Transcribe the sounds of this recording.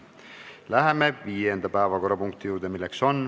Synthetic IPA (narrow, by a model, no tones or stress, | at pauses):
læɦe̞me̞viːjend̪̥ɑpæevɑko̞rːɑpuŋkt̪ijuːɾd̪̥emilːe̞kso̞n